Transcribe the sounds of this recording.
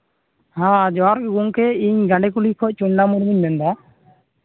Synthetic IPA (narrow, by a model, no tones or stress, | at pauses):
hãd͡ʒɔɾkɡuŋkɛiɲɡãɳɖɛkulikʰɔc̚ˀt͡ʃuɲnamuɾmuɲbɛnd̪a